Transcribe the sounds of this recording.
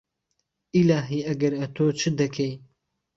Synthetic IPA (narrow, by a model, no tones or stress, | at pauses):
ʔilaːɦiːɐɡɐɾɐt̪ʰoːt͡ʃʰɨd̪ɐkʰej